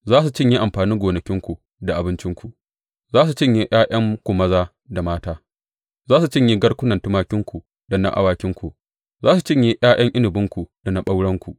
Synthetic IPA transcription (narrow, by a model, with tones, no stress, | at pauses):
zaː˦s̬u˨t͡ʃɪ˦ɲji˦ʔa˨mɸaː˨niː˦ɡʷoː˨nɐ˨kʲɪ˦ŋkʷu˨ | da˨ʔa˨bɪ˦nt͡ʃɪ˦ŋkʷu˨ʔ | zaː˦s̬u˨t͡ʃɪ˦ɲji˦ʔj̰aː˦j̰ɐ˦ŋkʷu˨mɐ˦zaː˦ | da˨maː˦taː˦ | zaː˦su˨t͡ʃɪ˦ɲji˦ɡɐ˦ɽkʷʊ˦nɐ˨ntʊ˦maː˦kʲɪ˦ŋkʷu˨ | dɐ˨na̰˦ʔa̰˦waː˦kʲɪ˦ŋkʷu˨ʔ | zaː˦su˨t͡ʃɪ˦ɲji˦j̰aː˦j̰ʔɐ˦ŋʔɪ˦nɪ˨bɪ˦ŋkʷu˨da˨na˦ɓa˦wɽɐ˦ŋkʷu˨ʔ